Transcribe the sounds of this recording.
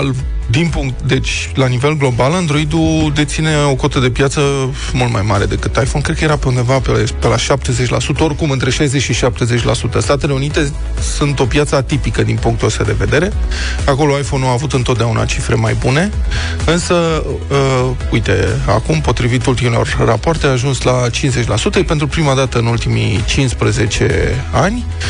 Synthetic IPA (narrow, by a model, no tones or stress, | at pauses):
l | d̪inpuŋkt̪d̪e̞t͡ʃʲ | lanive̞lɡlo̞baland̪ɾo̞id̪ud̪e̞t̪sine̞o̞ko̞t̪əd̪e̞pjat̪sə | mult̪majmaɾe̞d̪e̞kɨt̪ajfo̞nkɾed̪̚kəje̞ɾape̞und̪e̞vapepe̞laʃap̚t̪e̞ze̞t͡ʃʲla̰sut̪əo̞rkumɨnt̪ɾe̞ʃajzet͡ʃʃiʃap̚t̪e̞zet͡ʃʲla̰sut̪əst̪at̪e̞le̞unit̪e̞ | sunt̪o̞pjat̪səat̪ipikəd̪inpuŋkt̪uost̪ad̪e̞ve̞d̪e̞ɾe̞ | ako̞lo̞ajfo̞nuaːvut̪ɨnt̪ot̪̚d̪eaunʔa̰t͡ʃifɾe̞majbune̞ | ɨnsə | ujt̪e̞̰a̰kumpo̞t̪ɾivit̪ult̪imilo̞̰rːapoart̪eaʒunslat͡ʃinze̞t͡ʃʲlasut̪əpe̞nt̪ɾupɾimad̪at̪əɨnult̪imḭt͡ʃinspɾəze̞t͡ʃe̞̰anʲ